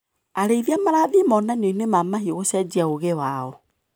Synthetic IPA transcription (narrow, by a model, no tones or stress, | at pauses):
aɾeiðiamaɾaːðimɔnanoinemamahioɣosad͡ʒiaoɣewaːɔ